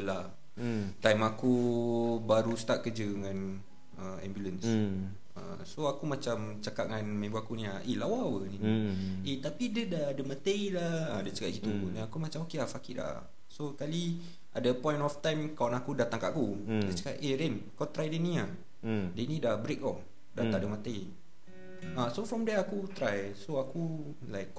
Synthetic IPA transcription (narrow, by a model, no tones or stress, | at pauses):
əla | t̪ajmaku | baɾust̪aʔ̪̚kəd͡ʒəŋan | əɛ̰mbjuləns | ə̰ | soakumat͡ʃam | t͡ʃakaʔ̚ŋanmẽbuakunĩaʔelawawəniniet̪apidədadəmat̪əilaədat͡ʃaka̰ʔ̚kit̪unaakumat͡ʃamokeafakida̰ | sokali | ʔa̰dəpɔ̃j̃nɔft̪ãjmkawanakudat̪aŋka̰ʔakudət͡ʃakaʔeɾenakawt̪ɾajdənĩa | dənĩdabɾekɔf | dat̪aʔdəmat̪ej | asofɾɔ̃mdɛakut̪ɾajsoaku | lajk